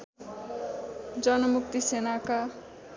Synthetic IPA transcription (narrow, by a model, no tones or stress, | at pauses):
d͡zʌnʌmuk̚t̪isenaka